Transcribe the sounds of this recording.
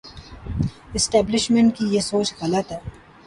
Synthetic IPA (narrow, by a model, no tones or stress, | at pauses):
ɪsʈɛːblɪʃmẽɳʈ̚kijesoːt͡ʃɡɐlət̪ɦɛː